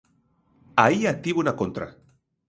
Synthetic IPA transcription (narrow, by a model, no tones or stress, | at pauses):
aiat̪iβunakont̪ɾa̰